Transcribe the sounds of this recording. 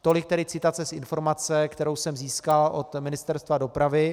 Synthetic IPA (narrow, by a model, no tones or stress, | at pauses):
t̪o̞lɪk̚t̪ɛɾɪt͡sɪt̪at͡sɛsʔɪnfo̞ɾmat͡sɛkt̪ɛɾo̞wsɛmziːskalʔot̪mɪnɪst̪ɛɾst̪vado̞pɾavɪ